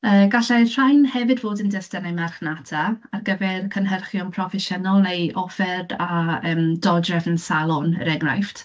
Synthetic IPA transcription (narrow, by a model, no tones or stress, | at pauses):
əːɡaɬɛr̥ajnhɛvɨdvoːdəndəstənejmarχnatʰaarɡəvɛrkʰənɦərχjɔnpʰrɔfɛʃənɔlˠnejɔfɛrdaəːmdɔdrɛvnsalˠɔn̰ɾɛɡna̰jftʰ